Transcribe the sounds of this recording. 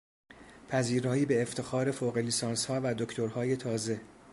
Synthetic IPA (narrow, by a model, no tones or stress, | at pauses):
pʰæziːɾɒːiːbe̞ːft̪ʰe̞xɒːɾe̞foːɣe̞liːsɒːnshɒːvæd̪okt̪ʰoɾhɒːje̞t̪ʰɒːze̞